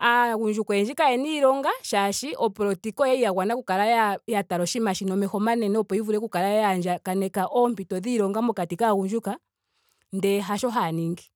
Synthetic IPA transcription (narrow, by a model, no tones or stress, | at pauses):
aɣuɲd͡ʒukɔɛɲd͡ʒikaɛniɾɔŋɡaʃaʃiʔɔpɔɾɔtikɔjɛijaɣwanakukalajajataɾɔʃimaʃinɔmɛhɔmanɛnɛɔpɔivuɾɛkukaɾajjand͡ʒakanɛkaʔɔmbitɔðiɾɔŋɡamɔkatikaɣuɲd͡ʒuka | ndɛɦaʃɔɦaniŋɡi